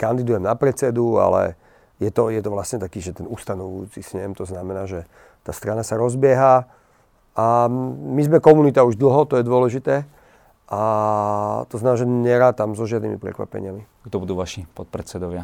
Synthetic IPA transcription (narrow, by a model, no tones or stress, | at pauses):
kand̪id̪ujɛmnapɾɛt͡sɛd̪ua̰lɛ̰ | jɛt̪ɔjɛt̪ɔʋlasɲɛt̪akiːʒɛt̪ɛnust̪anɔʋujut͡sisɲɛmt̪ɔznamɛnaːʒɛ | t̪aːst̪ɾanasaɾɔzbɪɛɦa | amizmɛkɔmunit̪auʒd̪l̩ˠɦɔt̪ɔjɛd̪ʊɔlɛʒit̪ɛː | ʔa | t̪ɔznaaʒɛɲɛɾaːt̪amzɔʒɪad̪nimḭpɾɛ̰kʋa̰pɛ̰ɲɪami | ɡd̪ɔbud̪uːʋaʃipɔt̪̚pɾɛt͡sɛd̪ɔʋɪa